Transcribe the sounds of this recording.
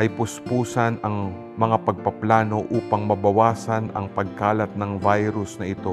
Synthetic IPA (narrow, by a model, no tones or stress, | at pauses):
ʔɐjpʊspuːsɐnɐŋ | mɐŋapɐɡ̚pɐplaːno̞ʔuːpɐŋmɐbɐwaːsɐnɐ̰ŋpɐɡ̚kaːlɐt̪̚nɐŋvajɾʊsnɐɪt̪o̞